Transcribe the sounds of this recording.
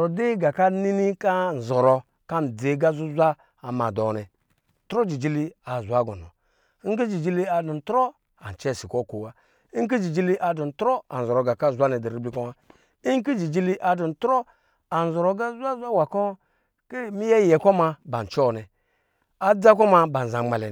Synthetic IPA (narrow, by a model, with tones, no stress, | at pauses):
ɾɔ˨de˦ɡa˨ka˦ni˦ni˦ka˦n̩˨zɔ˨ɾɔ˨ | ka˦n̩˨d͡ze˨˦ɡa˦zu˦zʷa˦ | a˨ma˨dɔ˨nɛ˨ | tɾɔ˦d͡ʒi˨d͡ʒi˧˦li˦a˨zʷa˨˦ɡɔ̰˨nɔ̰˨˦ | ŋ̩˦k̬i˦d͡ʒi˨d͡ʒi˧li˦a˧du˨˦tɾɔ˦ | a˨n˨t͡ʃɛ˦˨si˨kɔ˦˨ko˨wa˦ | i˦ŋ˦k̬i˦d͡ʒi˨d͡ʒi˦li˦ʔa˨du˨n̩˨tɾo˦a̰˨n̩˨zɔ˨ɾo˨ɡa˨ka˦˨zʷa˦nɛ˨di˨ɾi˦bli˦kɔ˦ma˦ | i˦ŋ˦ki˦d͡ʒi˨d͡ʒi˦li˦ʔa˨du˨n̩˨tɾo˦ | a˨n̩˨zɔ˨ɾɔ˨˧ɡa˦zʷa˦zʷa˦wa˨kɔ˦ | ke˦mi˦jɛ˦jɛ˨kɔ˦ma˧ba˨n˨t͡ʃɔ˦˨nɛ˨ | a˨d͡za˦kɔ˦ma˧ba˨n̩˨za˨˦ma˨lɛ˨